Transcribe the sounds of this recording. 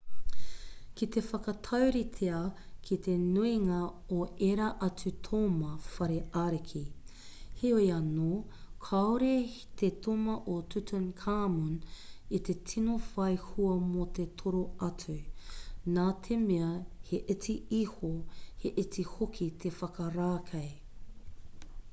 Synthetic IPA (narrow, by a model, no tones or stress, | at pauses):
kit̪efɐkɐt̪ʰɐwɾit̪ʰeɐ | kʰit̪ʰenuiŋɐoeɾɐʔɐt͡sʉt̪ʰomɐfɐɾeaɾekʰi | heoiɐnoːkʰɐoɾet̪et̪ʰomɐʔotʰut̪ʰɐnkʰaːmunit̪et͡sʰinofɐjhuɐmot̪etʰoɾoɐt͡sʉ | naːt̪ʰemeɐheʔet͡siihoheʔet͡sihokʰit̪ʰefɐkɐɾaːkʰɐj